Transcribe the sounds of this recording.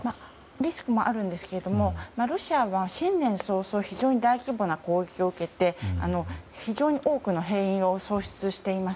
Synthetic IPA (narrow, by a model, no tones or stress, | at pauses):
ma | ɾʲisɨ̥kɯ̟mo̞ʔaɾɯ̟̃nd̪e̞sɨ̥ke̞ɾe̞d̪o̞mo̞maɾo̞ɕiaβaɕĩnnẽ̞ɰ̃so̞ːso̞ːçiʑo̞ːɲ̟id̪aikʲibo̞nako̞ːekʲio̞ɯ̟ke̞t̪e̞a̰no̞çiʑo̞ːɲ̟iʔo̞ːkɯ̟no̞ɦeːĩɰ̃o̞so̞ːɕɨ̥t͡sɨɕi̥t̪e̞imas